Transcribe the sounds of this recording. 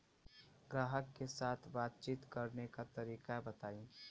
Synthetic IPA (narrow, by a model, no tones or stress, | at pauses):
ɡɾaːɦəkːesaːt̪ʰbaːt̪̚t͡ʃiːt̪kɐɾnekat̪ɐɾiːkabɐt̪aːĩ